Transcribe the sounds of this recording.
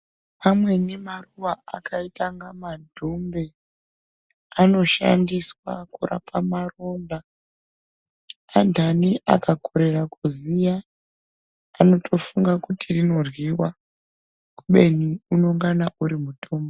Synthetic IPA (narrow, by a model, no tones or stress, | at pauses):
pamwe̞nemaruʋaa̰kaitaŋɡamadʱombe̞ | ano̞ʃa̰ndiswa̰kura̰pʰamaro̞nda | andʱaniʔa̰kakʰo̞ɾe̞rakuzija | ano̞tʰo̞fuŋɡakutʰirino̞rwiwa | kuɓe̞niuno̞ŋɡanaʔuɾimutʰo̞ːmbo